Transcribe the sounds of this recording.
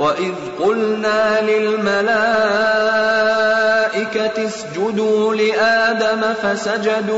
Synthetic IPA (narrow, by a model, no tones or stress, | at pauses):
waʔɪð | qʊlnaːlɪlmalaː | ʔɪkat̪ɪsd͡ʒʊd̪uːlɪʔaːd̪amafasad͡ʒad̪uː